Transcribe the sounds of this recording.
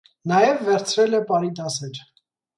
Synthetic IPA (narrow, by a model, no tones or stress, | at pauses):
nɑjɛvːɛɾt͡sʰɾɛlɛpɑɾid̪ɑsɛɾ